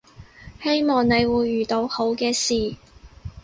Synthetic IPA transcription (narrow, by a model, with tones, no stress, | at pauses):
he˥jmɔː˨˩ŋne˨˧jwuː˨˧jːyː˨˩t̪o˨˧who˨˥wkɛː˧siː˨